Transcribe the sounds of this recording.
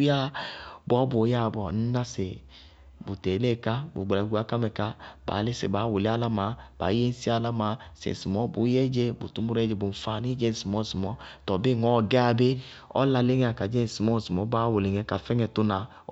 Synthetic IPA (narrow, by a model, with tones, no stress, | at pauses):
ja˦bɔ˦bo˨˦ja˦˨bɔ˨n̩˦na˦se˨ | bu˨te˨˦leː˦˨ka˦bṵ˨ɡ͡bɛ˨ɡu˧˦a˨˦ka˦mɛ˧˨ka˦ba̰ː˨˦le˦sḛ˨baː˨˦wo˨le˦a˦la˦maː˨˦b̥a̰˨˦je˦n̩˦si˦a˦la˦maː˨˦sḛ˨n˨si˨mɔ˨˦bu˨˦je˦d͡ʒe˧bṵ˨tu˨mu˦ɾe˦d͡ʒe˧bo˨m̩˨fa˨ni˦d͡ʒe˦˨si˨mɔ˨˦˨si˨mɔ˨˦tɔ˨be˦˨ŋɔ˨˦˨ɡɛ˦a˧be˦ | ɔ̰˦la˧le˦ŋɛ˦a˨ka˨d͡ʒe˦n˨si˨mɔ˦˨si˨mɔ˨˦baː˨˦wo˨le˨ŋɛ˧˦ka˨fɛ˦ŋɛ˧tu˦na˨˦